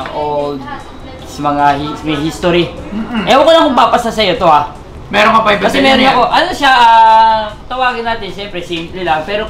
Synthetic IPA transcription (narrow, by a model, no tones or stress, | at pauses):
ʔod̪̚ | sɐmɐŋahismɐɦist̪oɾi | ʔɛʔokolɐŋkʊɡpaːpɐst̪ɐsɐjo̞t̪o̞a | mɛɾonmɐpɐɪbkɐsɛmɛːɾonɐko̞ʔɐnoʃaʔ | t̪ɐwaːɡɪnːaːt̪ɪnʃɛmpɾɛsimplɪlɐŋpɛːɾo